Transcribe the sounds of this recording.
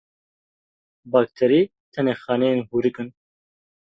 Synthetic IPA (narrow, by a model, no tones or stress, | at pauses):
baːk̚t̪ʰɛɾiː | t̪ʰɛneːxɑːnɛjenhuɾɨkɨn